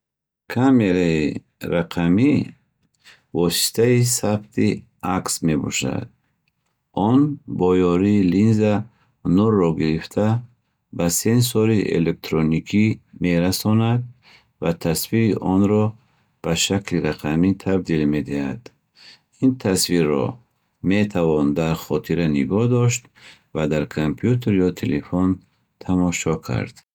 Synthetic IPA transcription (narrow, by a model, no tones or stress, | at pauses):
kʰame̞ɾai | ɾaqʰami | vɔsi̥t̪ʰaisabt̪ʰi | aksme̞bɔ̰ʃa̰d̪̚ | ɔnbɔjɔɾiːlinza | nurːɔɡiɾift̪ʰa | basens̬ɔɾiʔḛlek̚t̪ʰɾonikʰimeɾasɔnad̪̚ | vat̪ʰasviiʔɔnɾɔ | b̥aʃakliɾaqʰamit̪ʰabd̪ilme̞d̪iha̰d̪ | int̪ʰasviɾːɔ̰ | me̞t̪ʰavɔnd̪aɾχɔt̪ʰiɾaniɡɔhd̪ɔʃt̪vad̪aɾkʰompʰjut̪ʰeɾjɔt̪ʰelefon | t̪ʰamɔʃɔkʰa̰ɾd̪̥